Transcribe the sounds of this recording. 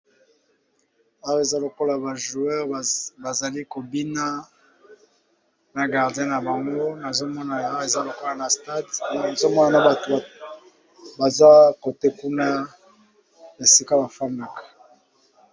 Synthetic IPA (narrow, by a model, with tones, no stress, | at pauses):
a˦ʁe˨za˦lo˨ko˦la˨ba˨ʒu˨ɛ˦ʁba˨za˨li˦ko˨bi˦na˦ | na˨ɡa˨ʁdjɛ̃˦na˨ba˨ŋɡo˦na˨zo˦mɔ˦na˨a˦˨e˨za˦lo˨ko˦la˨na˨sta˦dna˨zo˦mɔ˦na˨na˨ba˨t | ba˨za˦ko˨te˦ku˦na˦ | e˨si˦ka˦ba˨fa˦na˨kḁ˨